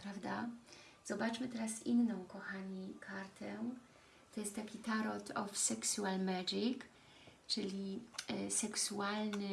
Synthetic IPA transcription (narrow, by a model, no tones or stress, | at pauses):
pɾavd̪a | z̥ɔbat͡ʂmɘt̪ɛɾasḭnːɔ̃w̃kɔxaɲikʰaɾt̪ʰɛ | t̪ɔjɛst̪t̪ːakʲit̪aɾɔt̪ʰɔfsɛksualmaʐik | t͡ʂɘlʲisɛksualnɘ